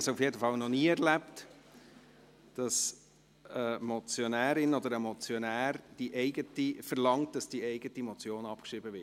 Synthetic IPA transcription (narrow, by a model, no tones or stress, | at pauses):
sufjedəfɑlnɔniːɛʁlæpt | d̥ɑs | əmɔt͡sjɔnæːɾɪnɔd̪əɾəmɔt͡sjɔnæːɾd̥iʔɛɪɡətifəɾlɑŋt̚d̥ɑsd̥iɛɪɡətimɔt͡sjoːnɑpkʃibəvɪ